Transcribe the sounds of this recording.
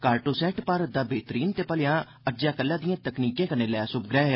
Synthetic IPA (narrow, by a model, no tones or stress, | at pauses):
kaːɾʈoːsɛːʈpəɾd̪aːbeːt̪əɾiːnt̪eːpəlɪjãː | əd͡ʒjaːkəlːãːd̪ijãːt̪əkniːkẽːkənẽːlɛːsʊbɡɾɛːɦ